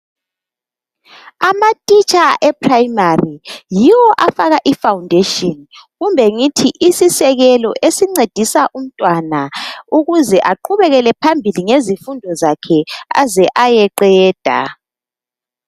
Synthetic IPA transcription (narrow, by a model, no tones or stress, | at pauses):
amatʼit͡ʃʼaʔɛpʰrajmarijiwɔʔafaɣaʔifawndʱeʃʼiɔnɣumbʱɛŋitʰiʔisisɛɣɛlɔ̰ʔesiŋ͡ǀed̥ʱisaʔum̩tʼwanauɣuzɛʔaǃʰuβɛɣɛlɛpʰambʱiliŋezifundʱɔzakʰɛa̰zɛʔajɛǃɛːd̥ʱa̰